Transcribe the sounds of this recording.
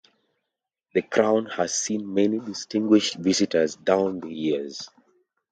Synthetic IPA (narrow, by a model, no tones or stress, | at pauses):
ðəkʰɹãʊ̃nhaz̥sĩnmɛnidɪstɪ̃ŋɡwiʃtvizitəzdãʊ̃nðəjiz̥